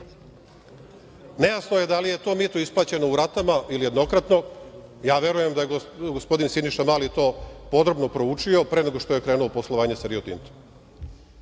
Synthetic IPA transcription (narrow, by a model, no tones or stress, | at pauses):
ne̞jasnoje̞d̪alije̞t̪o̞ːmit̪oisplˠaːt͡ɕe̞no̞uɾat̪amaʔilije̞d̪no̞kɾat̪no̞jaːʋje̞ɾuje̞md̪ajeɡospo̞d̪insiniʃamaːlit̪o̞ːpo̞d̪ɾo̞bno̞pɾout͡ʃio̞pɾe̞neɡoʃt̪o̞je̞kɾe̞ːnuoposlˠo̞ʋaːɲesaɾiot̪ḭnt̪o̥